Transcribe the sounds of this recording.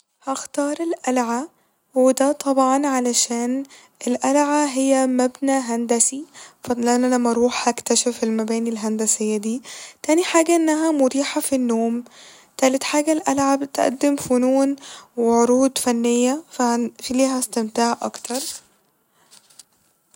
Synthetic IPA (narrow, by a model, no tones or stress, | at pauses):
hɑxt̪ɑːɾˤelʔælʕa | wed̪æt̪ˤʰɑbʕɑnʕalæʃæːn | ʔelʔælʕaɦejːæmæbnæːɦænd̪æsifɑlʔænʔænæmːæɾˤuːħhækt̪æʃæfelmæbæːnilɦænd̪æsejːæd̪iːt̪æːniħaːɡæʔenːæɦæmʊd̪iːħafinːoːm | t̪æːlet̪ħaːɡælʔælʕabt̪ʔæ̰d̪ːemfʊnuːnweʕoɾuːd̪fænːejːæffiliːhæst̪emt̪aːʕʔɑ̰kt̪ʰɑɾˤ